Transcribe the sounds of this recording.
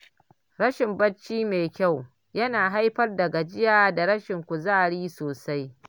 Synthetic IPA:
ɾɐ˦ʃɪ˨mbɐ˦t͡ʃːiː˦meː˨kʲa˦˨w | jɐ˦naː˨ɦa˦jɸɐ˦rdɐ˨ɡa˨d͡ʒɪ˦jaː˦da˨ɽɐ˦ʃɪ˨ŋkʷu˨zaː˦ɽiː˦soː˨sa˦j

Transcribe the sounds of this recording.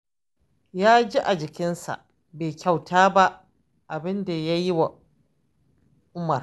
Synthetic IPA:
jaː˦d͡ʒi˦ʔa˨d͡ʒɪ˨kʲɪ˦nsa̰˨ʔ | beː˨kʲa˨wtʰaː˦ba˦ʔ | ʔa˨bɪ˦nda˨ja˦ji˦wa˨ | ʔʊ˦mɐ˨r

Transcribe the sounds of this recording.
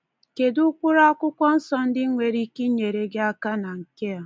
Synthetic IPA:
ke˨dʊ˦kʷʊ˦ɾa˦a˦kʷʊ˦kʷɔ˦n̩˦sɔ˦n̩˦dɪ˦ŋʷe˨ɾi˦ki˦ɲe˨ɾe˨ɡɪ˦a˦ka˦na˨ŋ̩˨ke˦a˨

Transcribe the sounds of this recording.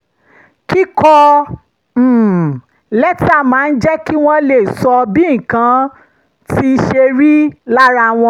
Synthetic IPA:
ki˦kɔ˧˨ | lɛ˦ti˦a˦˨mãː˨˦n̩˦d͡ʒɛ˦ki˦w̃ɔ̃˦le˨sɔ˧bi˦˨kã˨˧˦ | ti˦˧ʃe˧ɾi˦la˦ɾa˧w̃ɔ̃˧

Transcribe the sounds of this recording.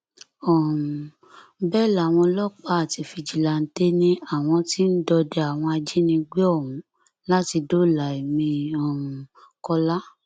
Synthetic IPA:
ɔ˨ | bɛ˦˨la˨w̃ɔ̃˧lɔ˦k͡pa˦a˦˨ti˧fi˧d͡ʒi˨la˨n̩˦te˦nĩ˦a˦˨w̃ɔ̃˧ti˦n̩˦dɔ˧dɛ˧a˨w̃ɔ̃˧a˧d͡ʒi˦nĩ˧ɡ͡be˦ɔ˦˨wũ˨˦ | la˦ti˧do˦˨la˨i˨mĩ˧ɔ˨ | kɔ˧la˦

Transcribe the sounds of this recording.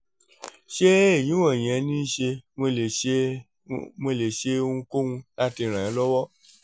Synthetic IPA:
ʃe˦e˦˨j̃ĩ˨˦wã˦˨j̃ɛ̃˨˧˦nĩ˦ʃe˧mo˧le˨e˧ | mo˧le˨ʃe˧o˧ũ˧ko˦wũ˧la˦ti˧ɾ̃ã˨ã˨˦lɔ˦wɔ˦

